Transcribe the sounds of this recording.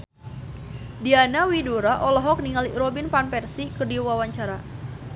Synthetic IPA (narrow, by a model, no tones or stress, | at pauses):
dianawiduɾaʔɔlɔɦɔk̚niŋalirɔbinpanpɛrsikərdiwawaɲt͡ʃaɾa